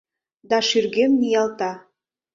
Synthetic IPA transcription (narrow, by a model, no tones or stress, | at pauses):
d̪ɑʃyrɣemnijɑlt̪ɑ